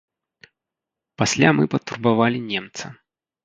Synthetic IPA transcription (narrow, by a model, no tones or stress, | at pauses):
pasʲlʲamɨpɐt̪ːurbavalʲinʲɛmt̪sɐ